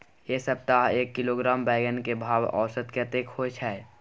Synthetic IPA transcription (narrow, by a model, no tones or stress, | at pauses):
jesəp̚t̪aɦeːkːɪloɡɾaːmbɛːɡənkebʱaːʋɔ̰ːsət̪kət̪eːkhoet͡ʃʰɛ